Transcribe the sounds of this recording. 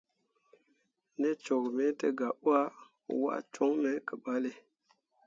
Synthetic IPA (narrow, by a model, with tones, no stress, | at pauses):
ne˦t͡ʃo˨kme˦tə˦ɡa˨ʔu˦a˦˨ | wa̰˦ʔt͡ʃo˦ŋme˦kə˨ba˦le˨